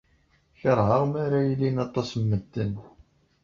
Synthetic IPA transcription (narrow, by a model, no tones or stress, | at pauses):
çəɾˤhəʁmaɾajəlːinɑt̪ˤɑsmːəd̪ːən